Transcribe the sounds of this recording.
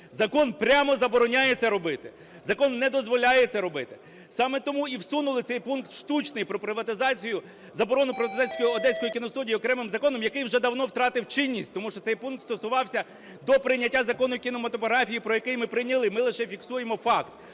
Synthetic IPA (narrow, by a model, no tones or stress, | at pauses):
zɐkɔnpɾʲamɔzɐbɔɾɔnʲajet͡sʲːɐɾɔbɪt̪ɪ | zɐkɔnːɛd̪ɔzʋɔlʲajet̪sɛɾɔbɪt̪ɪ̥ | sɑmɛt̪ɔmuiwsunʊlˠɪt̪ɛjpunkt̪ʃt̪ut͡ʃnɪjpɾɔpɾɪʋɐt̪ɪzɑt͡sʲijʊ | zɐbɔɾɔnʊpɾɪʋɐt̪ɪzɑsʲkɔjiɔd̪ɛsʲkɔjikʲinɔst̪udʲijiɔkɾɛmɪmzɐkɔnɔmjɐkɪjwʒɛd̪ɐwnɔwt̪ɾɑt̪ɪwt͡ʃɪnʲːisʲtʲt̪ɔmuʃt͡ʃɔt̪sɛjpunk̚t̪st̪ɔsʊʋɑwsʲɐ | d̪ɔpɾɪnʲɐtʲːazɐkɔnʊkʲinɔmɐt̪ɔpɔɦɾɑfʲijipɾɔjɐkɪjmɪpɾɪnʲɐlˠɪmɪlˠɪʃɛfʲiksujemɔfɑkt̪